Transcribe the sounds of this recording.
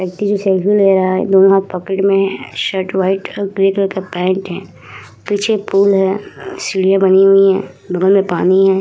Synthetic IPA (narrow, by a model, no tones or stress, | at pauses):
ʋək̚t̪id͡ʒosɛːlfileːɾɐaɦɛ̰d̪oːnõɦaːt̪̚pɔːkeʈmẽɦɛʃəɾʈʋaːɪʈɔːɾɡɾeːkəɾkapɛ̃ːɳʈɦɛ̃ː | piːt͡ʃʰepuːlɦɛːsɪɽijãbɐniɦʊiɦɛ̰̃ː | bɐɡəlmẽpaːniɦɛ̃ː